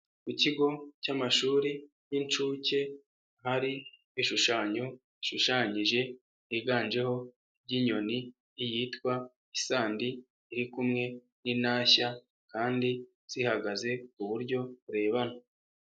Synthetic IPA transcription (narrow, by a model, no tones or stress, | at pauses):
kuciɡo̞camaʃuːɾi | jint͡ʃuːce̞ | haɾi | iʃuʃaːɲo̞ | iʃuʃaːɲiʒe̞ | iɡaːnd͡ʒe̞ho̞ | bɟiɲo̞niː | jiːtkwa | isaːndiː | ɾikumŋe̞ | ninaːça | kaːndi | z̥ihaɡaze̞kuβuɾɟo̞βuɾe̞ːβana